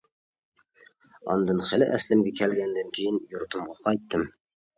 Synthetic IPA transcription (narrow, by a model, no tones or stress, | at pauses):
ɑ̰nd̪ɑnχælɘʔæslɘ̆mɡʲækʲʰælɡʲænd̪æŋkʲʰejɪnjŏɾt̪ŭmʁɑqʰɑjt̪ːɤm